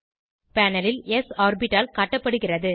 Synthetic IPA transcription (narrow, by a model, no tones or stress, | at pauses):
paːnɐlɪlɛsaːɾbɪʈːaːlkaːʈːɐpːɐɽɯɣɪrɐðɯ